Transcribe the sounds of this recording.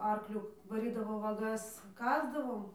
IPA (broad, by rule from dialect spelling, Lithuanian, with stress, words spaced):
ˈɐrklʲʊ ʋɐˈrʲiːdɐʋoː ʋɐˈɡɐs ˈkɑːzdɐʋoːm